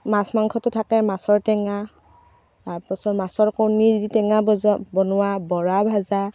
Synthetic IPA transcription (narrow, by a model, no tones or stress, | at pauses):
masmaŋkʰɔtʊtʰakɛmasɔɹtɛŋa | pɔsɔmasɔɹkɔwniditɛŋabɔnʊwabɔɹabʱaza